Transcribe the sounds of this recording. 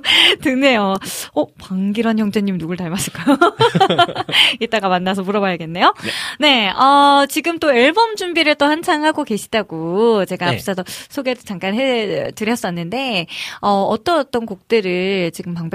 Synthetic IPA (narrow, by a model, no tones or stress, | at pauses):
tɯne̞joʌpaŋɡiɾwʌnçjʌŋd͡ʑʰeɲimnuɡɯɭtaɭmas͈ɯɭk͈ajo | it͈aɡamanːasʰʌmuɾʌbʌjɭɡe̞nːe̞jone̞ʌt͡ɕiɡɯmt͈oeɭbʌmd͡ʑumbiɾɯɭt͈ohant͡ɕʰaŋɦaɡoke̞ɕʰi̥daɡot͡ɕe̞ɡaapʰs͈ʰʌdʌsʰoɡeɾot͡ɕaŋk͈anɦetɯɾjʌs͈ʌnːɯnde̞ʌʌt͈ʌt͈ʌnkok̚t͈ɯɾɯɭt͡ɕiɡɯmpaŋbe